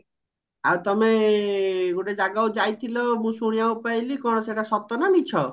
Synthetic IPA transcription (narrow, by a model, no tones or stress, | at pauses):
awt̪ɔme | ɡoʈed͡ʒaɡaud͡ʒajt̪ʰilɔmũsuɽ̃ijaupajlikɔɽ̃ɔseʈasɔt̪ɔnanit͡ʃʰɔ